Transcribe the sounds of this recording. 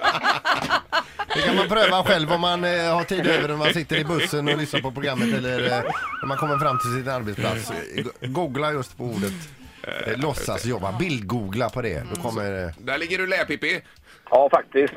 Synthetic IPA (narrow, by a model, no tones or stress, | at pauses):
hɵkanmanpʰɾøːvaɧɛlvɔmːanhaʈʰiːd̪øːvəɾɔnmansɪt̪ːəɾɪbɵsːənɔlʏsnaɾpɔpɾʊɡɾamːət̪ɛlːəlɾɔmːankʰɔmːəɾfɾamːt̪ʰɪlsɪnaɾbɛt̪spla̰t̪sɡuːɡlajɵst̪pʰɔuːɖət̪ | lɔsːa̰sjɔbːa̰bɪld̪̚ɡuːɡlapʰɔd̪ɛ̰d̪ɔkʰɔmːəɾd̪æɭɪɡːəɖɵlɛːpɪpːɪ | ɑːfak̚t̪ɪst̪